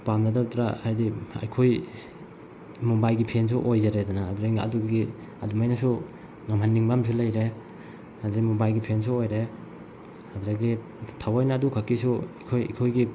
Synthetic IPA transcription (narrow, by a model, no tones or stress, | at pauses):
pamnadaɾtɾahajdiɐ̰jkʰoj | mubajɡipʰens̬uʔojzaɾedanaːduɾaɐ̰duɡɡi | ɐdumajnasu | ŋamɦanːiŋbams̬ulɐjɾe | hadɾimubajɡipʰens̬uojɾe | haduɾaɡi | tʰawajnadukʰakːisukʰojɐ̰jkʰojɡi